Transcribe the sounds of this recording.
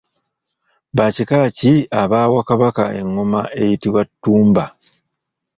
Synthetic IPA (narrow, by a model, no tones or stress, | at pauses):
βacikaciaβaːwakaβaka̰e̞̰ŋːomae̞̰jitiwatːuːmba